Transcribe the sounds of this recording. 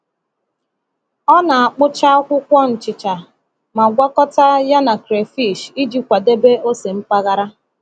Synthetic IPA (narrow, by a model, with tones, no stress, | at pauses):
ɔ˦na˨a˨k͡pʊ˦t͡ʃa˦kʷʊ˦kʷɔ˦n̩˨t͡ʃɪ˨t͡ʃa˨ | ma˨ɡʷa˦kɔ˦ta˦ja˦na˨kɾe˨fi˦˨ʃi˦d͡ʒi˦kʷa˨de˦be˦o˦se˨m̩˦pa˦ɣa˦ɾa˦